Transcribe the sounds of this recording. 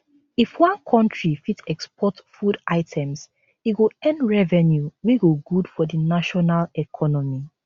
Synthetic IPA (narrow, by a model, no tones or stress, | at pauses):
ifwãnkʰɔ̃ntɹifitɛkspɔtfudaɪtʰɛ̃ms | iɡoɛ̃ndɹɛvɛnjuwiɡoɡudfɔdinaʃɔnalɛkʰɔnɔmi